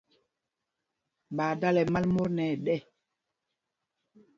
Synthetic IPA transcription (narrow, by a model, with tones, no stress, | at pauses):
ɓaː˨da˦lɛ˨ma˦lmo˦nɛ˨ɗɛ˦˨